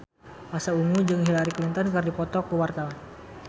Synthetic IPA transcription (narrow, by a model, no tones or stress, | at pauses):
masauŋud͡ʒɨŋɦilaɾiklint̪ənkɨrdipɔt̪ɔkuwart̪awan